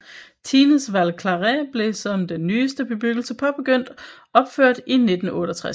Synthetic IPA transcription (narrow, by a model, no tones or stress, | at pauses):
t͡sʰiːnəsʋæl̰kʰlɑʁæb̥le̝sɒ̽md̥enːyːsd̥əb̥e̝b̥yɡ̥l̩səpʰɒ̽b̥e̝ɡ̥øn̰d̥ | ɒ̽b̥føɐ̰d̥ine̝d̥n̩ɔ̽ːɾ̥ət͡sʰʁa